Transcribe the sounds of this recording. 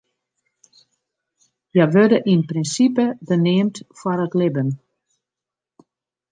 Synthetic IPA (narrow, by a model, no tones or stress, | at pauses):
jaʋødəʔinprinsipəbəneːmtfwɔɾətlɪbən